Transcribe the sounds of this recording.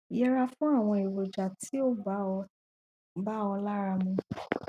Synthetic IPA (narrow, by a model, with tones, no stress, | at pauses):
i˨jɛ˧ɾa˧fũ˦a˦˨w̃ɔ̃˧i˨ɾo˨d͡ʒa˨ti˦o˦˧ | ba˦ɔ˧la˦ɾa˧mũ˧